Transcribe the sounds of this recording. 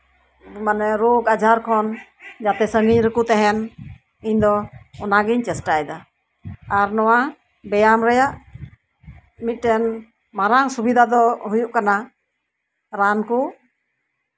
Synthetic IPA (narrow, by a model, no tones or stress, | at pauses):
manɛɾoɡad͡ʒʱaɾkʰɔnd͡ʒat̪ɛsəŋiɲɾəkut̪ɛɦɛn | iɲd̪ɔɔnaɡiɲt͡ʃɛsʈajd̪a | aɾnɔwa | bɛjamɾɛjaʔ | mit̪̚ˀʈɛn | maɾaŋsubid̪ʱad̪ɔɦujuʔkana | ɾanku